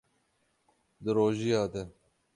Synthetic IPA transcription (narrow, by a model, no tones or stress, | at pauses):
d̪əɾoːʒiaːd̪e